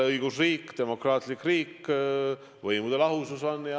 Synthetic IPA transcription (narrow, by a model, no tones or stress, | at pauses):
eɤiɡ̥usriːkːd̪̥e̞mo̞krɑːt̪likːriːkː | vɤjmud̪̥e̞lɑɦususonːjɑ